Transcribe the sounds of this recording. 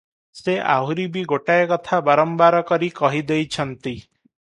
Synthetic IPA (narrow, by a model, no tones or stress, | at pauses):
seʔa̰ɦuɾibiɡoʈajɔkɔt̪ʰabaɾɔmbaɾɔkɔɾikɔɦid̪ejt͡ʃʰɔnt̪i